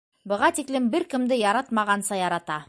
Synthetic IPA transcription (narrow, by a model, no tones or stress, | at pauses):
bɤ̆ʁɑt̪iklɘmbɘɾkɘ̆md̪ɘjɑɾɑt̪mɑʁɑnsɑjɑɾɑt̪ɑ